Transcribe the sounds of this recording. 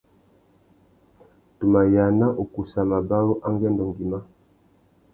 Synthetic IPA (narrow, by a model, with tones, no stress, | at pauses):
tu˨ma˨ja˨na˦ʔu˨ku˨sa˨ma˨ba˦ɾu˦ʔa˦ŋɡɛ˦ndɔ˨ŋɡi˨ma˦